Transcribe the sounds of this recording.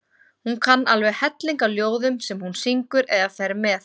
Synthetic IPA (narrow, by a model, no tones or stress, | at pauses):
hunkʰanːalvɛɣhɛt̪liŋkawljoːwðʏmsɛmhunsiŋkʏɾɛðafɛɾmɛːθ